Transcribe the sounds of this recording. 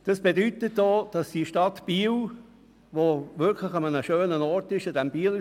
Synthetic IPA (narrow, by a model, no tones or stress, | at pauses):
d̥ɑsb̥edyt̪ətd̥oːd̥ɑsd̥iʃtɑtb̥iːl | ʋoʋɪɾkʰləxɑmənəʃøːnənɔrtɪʃɔdɛmb̥iːl